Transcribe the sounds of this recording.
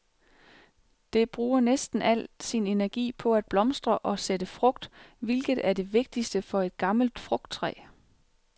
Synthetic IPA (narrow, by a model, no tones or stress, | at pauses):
d̥e̝b̥ʁuːɐnesd̥n̩æl̰sine̝næɐɡ̥ḭːpʰɒ̽æd̥̚b̥lɒ̽msd̥ʁɐʔɒ̽sed̥əfʁɔ̽ɡ̥d̥ʋelɡ̥ð̞̩ˠæɐde̝ʋe̝ɡ̥̚d̥isd̥əfɒ̽e̝d̥̚ɡ̥ɑ̈ml̩d̥fʁɔ̽ɡ̥̚d̥̚t͡sʰʁɛ̰ː